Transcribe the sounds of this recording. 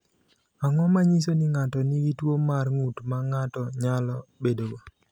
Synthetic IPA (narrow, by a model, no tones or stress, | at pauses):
aŋɔmaɲis̬onɪŋatɔnɪwitwomarŋutmaŋatɔɲalɔbedoɡo